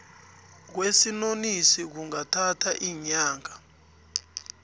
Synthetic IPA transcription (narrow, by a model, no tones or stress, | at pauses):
k̬wesinonisik̬uŋatʰatʰaʔiːɲaːŋʱa